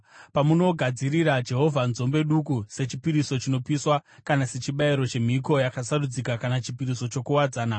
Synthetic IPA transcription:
pamuno̞ɡʱad͡ziɾiɾad͡ʒe̞ɦo̞vʱanzo̞mbe̞ɗukuse̞t͡ʃipiɾiso̞t͡ʃino̞piswakanase̞t͡ʃiɓaiɾo̞t͡ʃe̞m̤iko̞jakasarud͡zikakanat͡ʃipiɾiso̞t͡ʃo̞kuwad͡zaːna

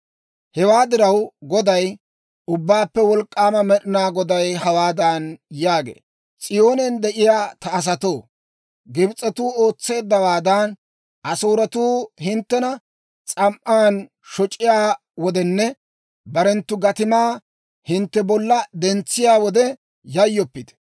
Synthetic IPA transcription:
hɛwaːd̪ɪɾɐwɡɔd̪ɐj | ʊbːaːpːɛwɔlkʼːaːmɐmɛɗɪnaːɡɔd̪ɐjhɐwaːd̪ɐnjaːɡḛː | t͡sʼɪjo̞ːnɛnd̪ɛʔɪjaːt̪ɐːs̬ɐt̪o̞ː | ɡɪbt͡sʼːɛt̪uːo̞ːt͡sːe̞ːd̪ːɐwaːd̪ɐn | ʔɐsoːɾɐt̪uːhɪnt̪ːɛnɐ | t͡sʼɐmʔaːn | ʃɔt͡ʃʼːɪjaː | wɔd̪ɛnːɛ | bɐɾɛnt̪ːʊɡɐt̪ɪmaː | hɪnt̪ːɛbɔlːɐd̪ɛnt͡sːɪjaːwɔd̪ɛ | jɐjːɔpːɪd̪̥

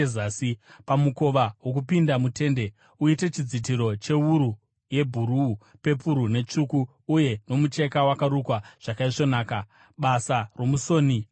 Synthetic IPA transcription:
zaːsipamuko̞ʋaɦwok̬upindamute̞ːnde̞ | uite̞t͡ʃid͡zit̬iɾo̞t͡ʃe̞wuɾu | je̞bʱuɾuːpe̞puɾune̞t͡ʂukuː | je̞no̞mut͡ʃe̞kawakaɾukwaʐ̥akaiʐo̞naːka | ɓasaro̞musoːni

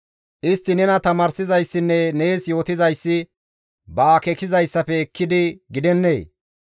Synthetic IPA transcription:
ʔɪst̪ːɪnɛnɐt̪ɐmaːɾsɪzɐjsːɪnːɛneːsjo̞ːt̪ɪzɐjsːɪ | bɐːkɛkɪzɐjsːɐpɛkːɪd̪ɪɡɪd̪ɛnːeː

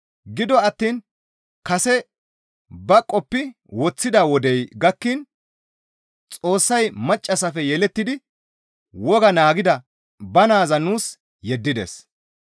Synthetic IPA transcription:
ɡɪd̪ɔɐt̪ːiːn | kɐsɛ | bɐkʼːɔpːɪ | wɔt͡sːɪd̪aːwɔd̪ɛjɡɐkːin | t͡sʼo̞ːsːɐjmɐt͡ʃʼːɐsɐfɛjɛlɛt̪ːɪd̪ɪ | wɔɡɐnaːɡɪd̪ɐ | bɐnaːzɐnuːs | jɛd̪ːɪd̪ɛ̰s

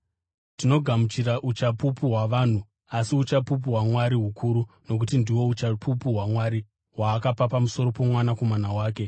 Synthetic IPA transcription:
tino̞ɡʱamut͡ʃiraʔut͡ʃapupuɦwaʋaːn̤u | asiut͡ʃapup̬uɦwamwaɾiɦukʰuɾu | no̞k̬utindiwo̞ut͡ʃapʰupuwamwaɾi | waːkapapamuso̞ɾo̞po̞mwanako̞manawaːke̞

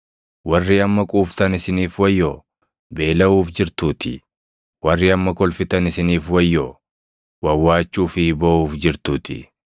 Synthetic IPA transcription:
wɐrːiːɐmːɐkʼuːft̪ɐnɪsɪniːfwɐjːoː | be̞ːlɐuːfd͡ʒɪɾt̪uːt̪ʰɪ̰ | wɐrːiːɐmːɐkɔlfɪt̪ɐnɪsɪniːfwɐjːoː | wɐwːaːt͡ʃːuːfɪbɐʔuːfd͡ʒɪɾt̪uːt̪ɪ̰

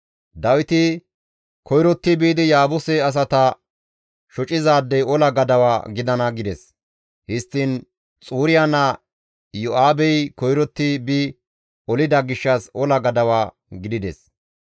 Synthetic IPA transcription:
d̪ɐwɪt̪ɪ | kʰɔjɾɔt̪ːɪbiːd̪ɪjaːbɔsɛɐs̬ɐt̪ɐ | ʃɔt͡ʃʼɪzaːd̪ːɛjɔlɐɡɐd̪ɐwaːɡɪd̪ɐnɐɡɪd̪ɛs | hɪst̪ːɪn | t͡sʼuːɾɪjanɐ | jɔʔaːbɛjkɔjɾɔt̪ːɪbi | ɔlɪd̪ɐɡɪʃːɐsɔlɐɡɐd̪ɐwaː | ɡɪd̪ɪd̪ɛ̰s

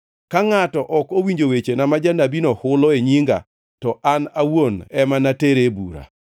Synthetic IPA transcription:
kaŋatɔʔɔkowiɲd͡ʒowet͡ʃenamad͡ʒanabinɔhʊlɔeɲiŋɡa̰ | tɔʔanawonɛmanateɾebṵɾa̰

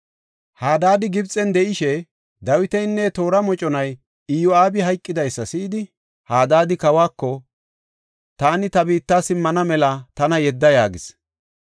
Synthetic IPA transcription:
haːd̪aːd̪ɪɡɪbt͡sʼːɛnd̪ɛʔɪʃɛ | d̪ɐwɪt̪ɛjnːɛt̪o̞ːɾɐmɔt͡ʃʼɔnɐj | ɪjɔaːbɪɦɐjkʼːɪd̪ɐjsːɐsiːd̪ɪ | haːd̪aːd̪ɪkɐwaːkːɔ | t̪aːnɪt̪ɐbiːt̪ːaːsɪmːɐnɐmɛlɐt̪ɐnɐjɛd̪ːɐjaːɡɪs

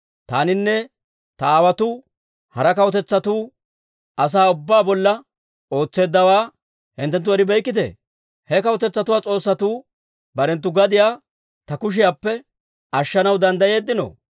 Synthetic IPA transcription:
t̪a̰ːnɪnːɛ | t̪ɐaːwɐt̪ʊ | hɐɾɐkɐwɔt̪ɛt͡sːɐt̪uː | ʔɐs̬aːʊbːaːbɔlːɐ | o̞ːt͡sːe̞ːd̪ːɐwaː | hɪnt̪ːɛnt̪̬ːʊɛɾɪbɛjkːɪt̪ḛː | hɛkɐwɔt̪ɛt͡sːɐt̪ʊwaːt͡sʼo̞ːsːɐt̪uː | bɐɾɛnt̪ːʊɡɐd̪ɪjaː | t̪ɐkʊʃ̬ɪjaːpːɛ | ɐʃːɐnɐwd̪ɐnd̪ɐje̞ːd̪ːɪno̰

